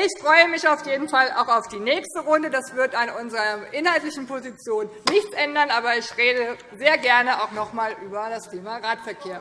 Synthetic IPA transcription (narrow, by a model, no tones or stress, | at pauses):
ɪçfʁ̥ɔʏəmɪçaʊfjeːdn̩fala̰ʊxaʊfd̥iːnɛːçstəʁʊndədasv̥ɪɐtanʔʊnzəʁɐʔɪnhaltlɪçn̩pozit͡sjoːnːɪçt͡sʔɛndɐnʔaːbɐɪçʁeːdə | zeːɐɡɛɐnəaʊxnɔχmaːlʔyːbɐdasteːmaʁaːtfɛɐkʰeːɐ